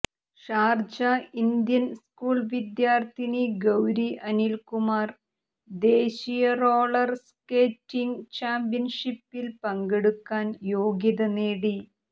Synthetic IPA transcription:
ʂaːrd͡ʑɐind̪jɐnskuːɭʋid̪jaːrt̪ʰiniɡɐwɾiʔɐnilkumaːr | d̪e̞ːɕijɐroːɭɐrskeːtːiŋt͡ɕaːmpijɐnʂipːilpɐŋɡeɽukːaːnjo̞ːɡjɐðɐneːɽi

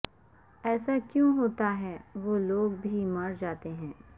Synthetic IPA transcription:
ɛːsakjõɦoːt̪aɦɛːʋoːloːɡ̚bʱimɐɾd͡ʒaːt̪eɦɛ̃ː

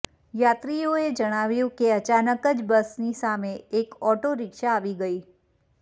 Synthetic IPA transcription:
jat̪ɾioed͡ʒəɽ̃aʋjũkeət͡ʃanəkəd͡ʒbəsnisameːkɔʈoɾɪkʃaːʋiɡəi

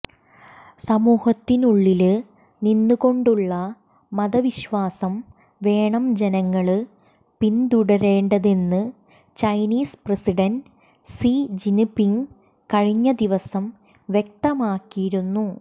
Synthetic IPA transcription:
sɐmuːhɐt̪ːinuɭːilɨ | ninːuɣo̞ɳɖuɭːɐ | mɐðɐʋiɕʋaːsɐm | ʋe̞ːɳɐmd͡ʑenɐŋːɐɭɨ | pind̪uɽɐɾe̞ːɳɖɐðe̞nːɨ | t͡ɕɐjniːspresiɽɐn | sid͡ʑinpiŋ | kɐɻiɲːɐd̪iʋɐsɐm | ʋjek̚t̪ɐmaːkːijiɾunːu

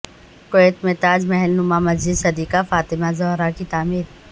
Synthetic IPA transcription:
koeːt̪meːt̪aːd͡ʒmɛɦɛlnʊmamɐzd͡ʒɪd̪sɐd̪iːkafaːt̪ɪmazɔɦɾakit̪aːmiːɾ

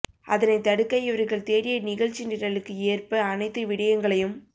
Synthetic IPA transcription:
ʔɐ̰ðɐnɐɪt̪ːɐɽɯkːɐjɪʋɐɾɣɐɭt̪eːɾɪjɐnɪɣɐɻt͡ʃːɪnɪɾɐɭɯkːɯeːrpɐɐnɐɪt̪ːɯʋɪɽɐjɐŋɡɐɭɐjɯm

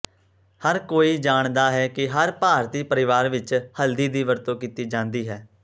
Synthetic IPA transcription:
həɾkoːiːd͡ʒaːɳd̪aːɦɛːkɪɦəɾpaːɾt̪iːpəɾɪʋaːɾʋɪt͡ʃhəld̪iːd̪iːʋəɾt̪õːkiːt̪iːd͡ʒãːnd̪iːɦɛː

